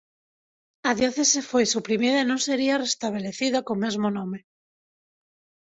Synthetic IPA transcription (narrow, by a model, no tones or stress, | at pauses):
aðjoθesefojsupɾimiðɐaenõŋseɾiarest̪aβ̞eleθiðakomezmonome